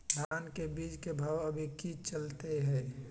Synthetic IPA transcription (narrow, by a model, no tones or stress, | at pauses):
d̪ʱaːnkebiːd͡ʒkebʱaːwəbʱikit͡ʃəlt̪eɦɛː